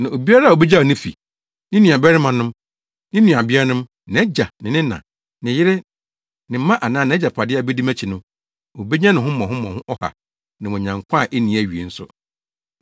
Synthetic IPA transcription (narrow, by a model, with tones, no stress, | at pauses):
nã˨o˨bi˦a˦ɾa˦˨o˨be˦d͡ʑa˦o˨nɪ̃˦fḭ˨ | nɪ̃˦nũ˨a˨bɛ˦ɾɪ˦mã˨nʊ̃˦m | nɪ̃˦nũ˨a˨bɪ˦ɾa˦nʊ̃˦m | ñ˨ɛ˦d͡ʑa˨nɪ̃˨nɪ̃˦nã̰˨ | nɪ̃˨jɪ˦ɾɪ˦ | nɪ̃˨m̩˦mã˦ʔa˨nãː˦nɪ̃˨ɛ˦d͡ʑa˨pʰa˨dɪ˦a˨bɛ˦di˦mæ̃˦t͡ɕʰi˨nʊ̃˦ | o˨be˦ɲã˦nʊ̃˨ɦʊ̃˦mɔ̃˨ɦʊ̃˦mɔ̃˨hʊ̃˦ʔɔ˦ha̰˨ | nã˨mɔ̃˨ɲã˨ŋkʷʰã˦˨ʔe˦nĩ˨æ˨ɥi˨e˨n̩˦sʊ˦